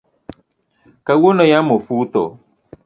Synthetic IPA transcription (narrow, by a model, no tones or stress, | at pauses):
kawonɔ̃jamofuut̪ɔ̰